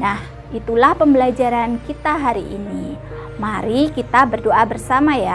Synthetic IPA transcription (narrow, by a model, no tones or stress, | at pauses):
nah | it̪ulahpəmbəlad͡ʒaɾankit̪aɦaɾiʔḭni | maɾikit̪abərdoʔabərsamaja